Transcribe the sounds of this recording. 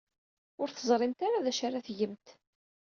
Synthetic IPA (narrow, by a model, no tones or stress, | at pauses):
ʊɾθəzˤɾˤɪmt̪aɾaðæʃaɾaθʝəmt̪